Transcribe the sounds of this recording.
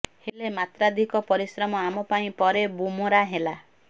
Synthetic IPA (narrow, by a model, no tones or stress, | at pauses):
helemat̪ɾad̪ʱikɔpɔɾisɾɔmɔamɔpaĩpɔɾebumoɾaɦela